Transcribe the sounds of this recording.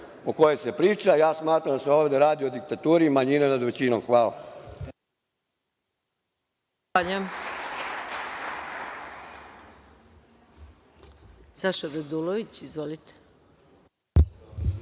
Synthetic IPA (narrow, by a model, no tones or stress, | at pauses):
okojese̞pɾiːt͡ʃajaːsmaːt̪ɾamd̪aseoːʋd̪eɾaːd̪iod̪ik̚t̪at̪uːɾimaɲinenad̪ʋe̞t͡ɕinomxʋaːla̰ | aʎam | saʃad̪ad̪uloʋit͡ɕizʋolit̪e̥